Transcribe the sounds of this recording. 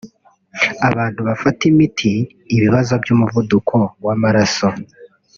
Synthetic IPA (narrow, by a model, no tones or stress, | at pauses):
aβaːn̥huβafatimitʰiː | βiβazo̞bjumuvudukʰo̞wamaɾaso